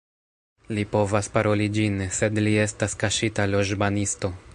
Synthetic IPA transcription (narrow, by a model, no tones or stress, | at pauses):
lipo̞vaspaɾo̞lid͡ʒinse̞dlie̞staskaʃitalo̞ʒbanisto̞